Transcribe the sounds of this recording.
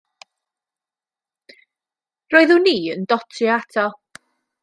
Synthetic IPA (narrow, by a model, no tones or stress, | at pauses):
roːɨðuːniːəndɔtʰiatʰɔ